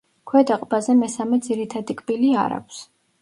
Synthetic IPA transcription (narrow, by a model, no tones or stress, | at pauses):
kʰwɛd̪aqʼbazɛmɛsamɛd̪ziɾit̪ʰad̪ikʼbilia̰ɾa̰kʷʰs